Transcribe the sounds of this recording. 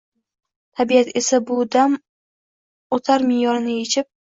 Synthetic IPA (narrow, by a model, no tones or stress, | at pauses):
t̪ʰabijat̪ʰe̞sabʊd̪am | ot̪ʰaɾmɪjɒɾɪnɪet͡ʃʰɪp̚